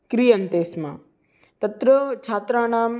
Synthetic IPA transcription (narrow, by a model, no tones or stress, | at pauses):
kɾijɐnt̪eːsma̰ː | t̪ɐt̪ɾɐt͡ʃʰaːt̪ɾaːnaːm